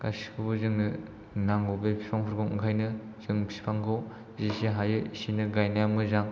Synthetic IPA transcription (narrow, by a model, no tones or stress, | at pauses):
kasi̥kʰɯbɯzɯŋnɯ | naŋɡɔbepʰi̥sɔŋpʰɯɾɡʰowɯ̰ŋkʰajnɯ | z̥ɯŋpʰsi̥pʰaŋkʰɯw | zisiɦajɯisinɯɡajnajamɯzaŋ